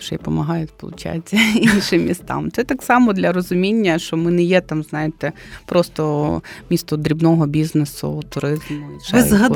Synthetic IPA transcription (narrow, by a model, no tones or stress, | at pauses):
ʃɛjpɔmɐɦɑjɛt̪ʲspɔlˠʊ̰t͡ʃa̰t͡sʲːɐinʃɪmʲːist̪ɑ̰mt̪sɛt̪ɑksɑmɔd̪lʲɐrɔzʊmʲinʲːɐʃt͡ʃɔmɪnɛjɛt̪ɑmznɑjet̪ɛpɾɔst̪ɔmʲist̪ɔd̪ɾʲibnɔɦɔbʲiznesʊ̰t̪ʊɾɪzmʊiʃɛzɦɐ